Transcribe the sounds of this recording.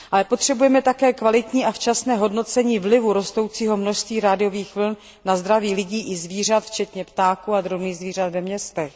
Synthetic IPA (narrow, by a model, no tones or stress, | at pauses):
ʔalɛpo̞t̪r̝̥ɛbujɛmɛt̪akɛːkvalɪt̪ɲiːʔaft͡ʃasnɛːɦo̞dno̞t͡sɛɲiːvlɪvuɾo̞st̪o̞wt͡siːɦo̞mno̞ʃst̪viːɾaːdɪjo̞viːxvl̩nː | azd̪ɾaviːlɪɟiːʔɪzviːr̝at̪ft͡ʃɛt̪ɲɛpt̪aːkuad̪ɾobniːzviːr̝at̪vɛmɲɛst̪ɛx